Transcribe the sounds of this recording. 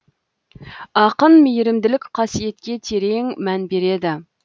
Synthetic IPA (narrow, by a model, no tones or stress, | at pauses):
ɑqənmejɾɪmd̪ɪlɪkʲqʰɑsijet̪kʲet̪ʰeɾeŋmɛnbeɾed̪ɪ